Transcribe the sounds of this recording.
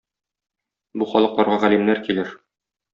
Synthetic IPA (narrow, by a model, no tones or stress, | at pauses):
buχɒlˠɤ̆qlˠɒɾʁɑʁælimnæɾkilɘɾ